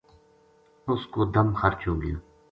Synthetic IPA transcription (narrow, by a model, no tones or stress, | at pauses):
ʊskoːd̪əmxəɾt͡ʃɦoːɡəjoː